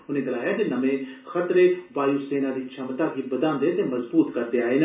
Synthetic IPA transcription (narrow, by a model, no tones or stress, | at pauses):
ʊnẽɡɐlaːjad͡ʒenɐmẽxɐt̪ɾeʋaːjuseːnad̪it͡ʃʰɐmt̪akibɐd̪ãːnd̪et̪emɐzbuːt̪kɐɾd̪eaːin